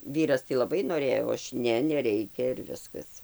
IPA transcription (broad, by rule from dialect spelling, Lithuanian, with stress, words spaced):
ˈʋʲiːrɐs tɐɪ lˠɐˈbɐɪ noːˈrʲeːjoː ˈɐʃ ˈnʲɛ nʲɛˈrʲɛɪkʲɛ ɪr ˈʋʲɪskɐs